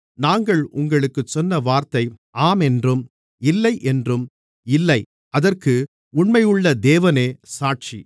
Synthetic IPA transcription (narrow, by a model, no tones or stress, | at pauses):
naːŋɡɐɭʊŋɡɐɭɯkːɯt͡ʃːɔnːɐʋaːɾt̪ɐɪ | ʔaːmɛndrɯm | ɪlːɐɪʔɛndrɯm | ɪlːɐɪ | ɐðɐrkɯ | ʊɳmɐɪjɯɭːɐd̪eːʋɐneːsaːʈ̚t͡ʃi